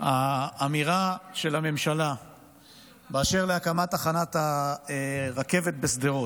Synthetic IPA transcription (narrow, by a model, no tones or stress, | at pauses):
aːmiʁaʃe̞lame̞mʃala | beaʃe̞ʁleakamat̪aχanat̪a | ʁake̞ve̞t̪̚besd̪eʁot